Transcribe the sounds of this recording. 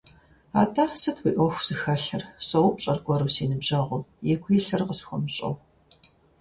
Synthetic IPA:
a̰ːtʰaːsɨtʰwiːʔʷɔxʷz̥ɨxɐɬɐrsowpɕʼɐrɡʷɔɾɨwsiːnɨbʑɐʁʷʊmjɛɡʷʰʼjɛɬɐrqəsxʷɔ̰mɕʼɐ̰w

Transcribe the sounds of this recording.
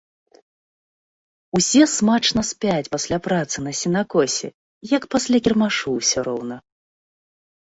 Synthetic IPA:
usʲɛsmat͡ʂnɐsʲpʲat͡sʲpasʲlʲapɾat̪sɨn̪ɐsʲinakɔsʲɛ̰ | jɐkpasʲlʲakʲirmaʂuwsʲɔɾɔwnɐ

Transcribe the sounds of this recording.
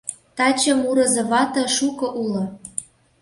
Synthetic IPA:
t̪ɑt͡ɕɤ̆muɾɤ̆zɤ̆βɑt̪ɤ̆ʃukɤ̆ʔulŏ

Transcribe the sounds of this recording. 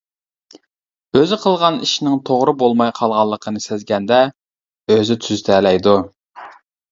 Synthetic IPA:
øzɪqʰəlˠʁɑniʃnɪŋt̪ʰoʁɾɨbolˠmɑjqʰɑlˠʁɑlˠːəqʰənɨsɪzɡʲɛnd̪ɛ | øzɪt̪ʰyzt̪ʰɛlɛjd̪u

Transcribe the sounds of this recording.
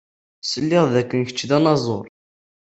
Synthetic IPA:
səlːɪððækːənçə̥t͡ʃːðænɑzˤoɾˤ

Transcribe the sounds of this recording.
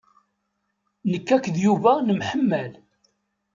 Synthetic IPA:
nəkːækðjuvænəmħəmːæl

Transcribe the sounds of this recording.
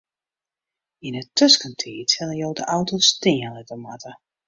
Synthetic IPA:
inətʰøskəntʰiːtɛlˠəjoːwdəʔawtostɪəlɛtəmatʰə

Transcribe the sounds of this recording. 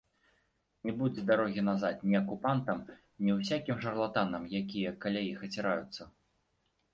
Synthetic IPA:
nʲɛbud͡zʲɛd̪aɾɔɣʲinazat̪nʲiɐkupant̪ɐm | nʲiwsʲakʲimʐɐrlˠat̪anɐmjakʲijɐkalʲajixɐt͡sʲiɾajut̪sːɐ

